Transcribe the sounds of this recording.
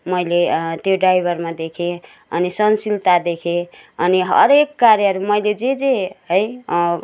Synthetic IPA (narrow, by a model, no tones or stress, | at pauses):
mʌjlet̪joɖrajbʱʌrmad̪ekʰe | ʌnisʌnsilt̪ad̪ekʰe | ʌniɦʌ̰ɾekːaɾjʌɦʌɾumʌjled͡zed͡zeɦʌj